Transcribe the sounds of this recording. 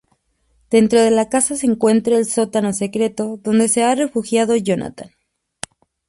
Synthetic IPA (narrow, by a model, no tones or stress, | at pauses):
d̪̥e̞nt̪ɾo̞ðe̞lakasase̞ːŋkwe̞nt̪ɾaːlso̞t̪ano̞se̞kɾe̞t̪o̞ðo̞nd̪e̞se̞are̞fuxjað̞o̞ʝona̰t̪an